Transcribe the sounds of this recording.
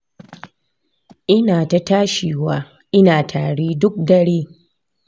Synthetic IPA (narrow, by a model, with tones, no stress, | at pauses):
ʔɪ˦naː˨ta˦taː˦ʃiː˨waː˦ | ʔɪ˦naː˨tʰaː˨ɽeː˦dʊ˦k̚dɐ˦ɽeː˦